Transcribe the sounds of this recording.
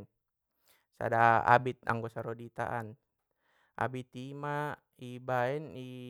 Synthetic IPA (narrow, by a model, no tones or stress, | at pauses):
n | sa̰daa̰bit̪a̰ŋɡosaɾodit̪a̰ʔan | ʔa̰bit̪ima | ibaɛni